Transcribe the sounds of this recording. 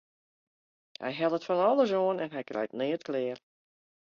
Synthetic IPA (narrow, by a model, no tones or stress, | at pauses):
hɛ̰jɦɛlˠətfɔnɔlˠəs̬oənɛnɦɛjkrʔɛ̰jtnɪːətkʰlɪər